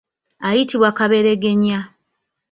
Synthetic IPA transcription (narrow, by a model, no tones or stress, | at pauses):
ajitiβwakaβeɾe̞ɡe̞ɲa